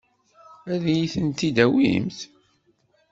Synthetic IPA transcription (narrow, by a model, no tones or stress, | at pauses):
æðjiθənt̪id̪æwḭmθ